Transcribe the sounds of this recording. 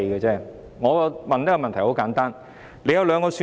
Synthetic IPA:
ɡɐː˧t͡sɛː˥˩ | ŋɔː˨˧kɔ˧mɐ˨nɛ˥kɔ˧mɐ˨nt̪ʰɐ˨˩jho˨˥wkaː˨˥nt̪aː˥n | le˨˧jɐ˧wlœː˨˧ŋkɔː˧syː˧

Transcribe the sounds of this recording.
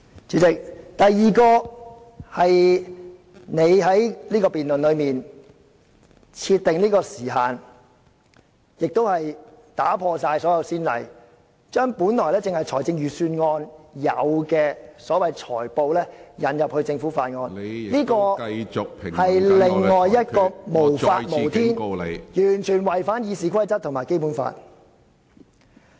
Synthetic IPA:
t͡syː˨˥t͡sɪ˨k̚t̪ɐ˨jːiː˨kɔː˧ | hɐ˨j | ne˨˧jɦɐ˨˥jliː˥kɔː˧piː˨nlɵ˨nlɵ˨˧ɥmiː˨n | t͡sʰiː˧t̪ːɪ˨ŋliː˥kɔː˧siː˨˩ɦaː˨n | jɪ˨k̚t̪o˥whɐ˨jt̪aː˨˥pʰɔː˧saː˧jsɔː˨˥jɐ˨˧wsiː˥nlɐ̰˨˩j | t͡ʃœː˥ŋpuː˨˥nlɔː˨˩lɛː˥t͡sɪ˨ŋhɐ˨jt͡ʃʰɔː˨˩jt͡sɪ˧ŋjyː˨syː˧nŋɔː˧njɐ̰˨˧wkɛː˧sɔː˨˥wɐ˨jt͡ʃʰɔ̰ː˨˩jpo˨˧wlɛː˥jɐ˨˥njɐ˨p̚hɵ˧ɥt͡sɪ˧ŋfuː˨˥faː˧t̚ŋɔː˧nliː˥kɔː˧t͡sʊ˨k̚pʰɪ˨˩hɐ˨jlɪ˨ŋːɔː˨jːɐ˥t̚kɔː˧mo˨˩wfaː˧mo˨˩wt̪ʰiː˥n˨jyː˨˩nt͡ʃʰyː˨˩nwɐ˨˩jfaː˨˥njiː˨˧siː˨˧kʷʰɐ˥jt͡sɐ˥t̚t̪ʰʊ˨˩ŋmaː˨˩jke˥jpu˨˥nfa̰ː˧t̚

